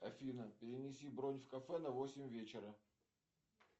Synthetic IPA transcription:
ɐfʲinəpʲɪɾʲɪnʲɪsʲibɾonʲfkɐfɛnɐvosʲɪmʲvʲet͡ɕɪɾə

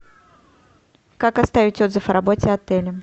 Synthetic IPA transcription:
kakɐst̪avʲɪtʲo̞d̪zɨfɾɐbotʲɪɐt̪ɛlʲɪ

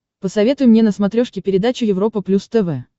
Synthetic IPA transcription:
pəsɐvʲe̞t̪ʊjʊmnʲenəsmɐt̪ɾʲo̞ʂkʲɪpʲɪɾʲɪd̪at͡ɕʊjɪvɾo̞pəplʲust̪ɛvɛ

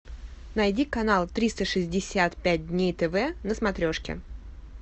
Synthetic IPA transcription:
nɐjdʲikɐnalˠt̪ɾʲist̪əʂɨzʲdʲɪsʲat̪pʲæt̚ʲdʲnʲejt̪ɛvɛnəsmɐt̪ɾʲo̞ʂkʲɪ̰

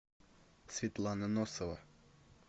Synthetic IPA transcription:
svʲɪt̪lˠanənosəvə

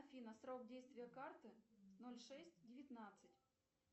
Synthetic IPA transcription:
fʲinəsɾo̞k̚dʲejst̪vʲɪjəkart̪ɨsnolʲʂɛsʲtʲdʲɪvʲɪt̪nat̪sɨtʲ

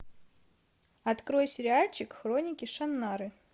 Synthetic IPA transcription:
ɐt̪kɾojsʲɾʲɪalʲt͡ɕɪkxɾonʲɪkʲɪʂɐnːaɾɨ

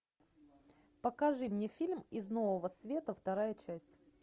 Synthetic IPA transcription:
pəkɐʐɨmnʲefʲilʲmɪznovəvəsvʲe̞t̪əft̪ɐɾajət͡ɕæsʲtʲ

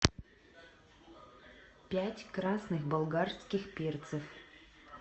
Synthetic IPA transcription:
pʲætʲkɾasnɨxbəlˠɡarskʲɪxpʲert̪səf

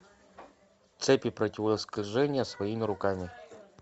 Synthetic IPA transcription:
t̪sɛpʲɪpɾɐtʲɪvəəsklʲʐɛnʲɪjəsvɐimʲɪɾʊkamʲɪ

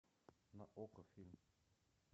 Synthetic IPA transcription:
naʔokəfilm

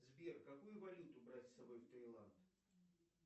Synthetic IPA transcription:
zbʲerkɐkujʊvɐlʲut̪ʊbɾatʲsɐbo̞jft̪ɾʲejlˠant̪

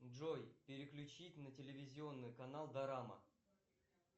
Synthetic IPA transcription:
ʐojpʲɪɾʲɪklʲʉt͡ɕitʲnətʲɪlʲɪvʲɪzʲɪo̞nːɨjkɐnalˠd̪ɐɾamə̰

